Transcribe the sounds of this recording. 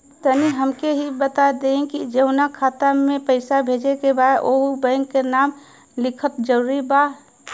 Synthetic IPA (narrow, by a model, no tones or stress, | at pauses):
t̪əniɦəmkeɦibət̪ad̪eẽkid͡ʒeʊnakʰaːt̪amẽpəɪsabʱeːd͡ʒekebaʔoubɛ̃ŋkkːenaːm | lɪkʰət̪d͡ʒəɾuɾiba